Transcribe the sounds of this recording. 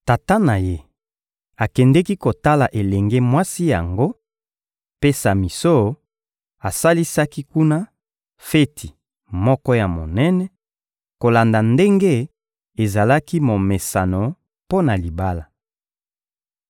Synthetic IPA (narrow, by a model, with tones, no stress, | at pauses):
ta˨ta˦na˨je˦ | a˨kɛ˨ndɛ˦ki˦ko˨ta˦la˨ʔe˨lɛ˨ŋɡe˦mwa˦si˦ja̰˨ŋɡo˦ | pe˦sa˨mi˨so˦˨ | a˨sa˦li˦sa˦ki˦ku˦na˦ | fe˦tʰi˨ | mɔ˦kɔ˦ja˨mo˨nɛ˦nɛ˨ | ko˨la˨nda˨nde˦ŋɡe˦ | e˨za˨la˦ki˦mo˨me˨sa˨no˨ | po˦na˨li˨ba˦la˨